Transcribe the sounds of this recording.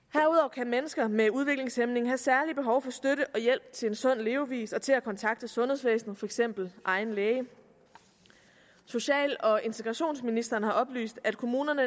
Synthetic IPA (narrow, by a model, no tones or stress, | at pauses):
hæɐuð̞ˠɒʊ̰kʰæmenəsɡ̥ɐmeuð̞ˠʋe̝ɡ̥le̝ŋsemne̝ŋ̩ɦæsæɐlib̥e̝ɦɒʊfɒ̽sd̥øɾəʔɒ̽jel̰b̥t͡sʰe̝le̝nsɔ̽n̰le̝ːʊʋḭːsɒ̽t͡sʰe̝lækʰɒ̽nt͡sʰɑ̈ɡ̥̚d̥əsɔ̽nheðˠsʋḛːsn̩fɒ̽eɡ̥sem̰b̥l̩ʔɑ̈ɪn̩leːɪə | so̝ɕɛ̰ːlɒ̽e̝nt͡sʰe̝ɡ̥ʁɑ̈ɕo̝̰ːnsminisd̥ɐnhɑ̈ɒ̽b̥ly̰ːsd̥æd̥kʰo̝muːnɐnə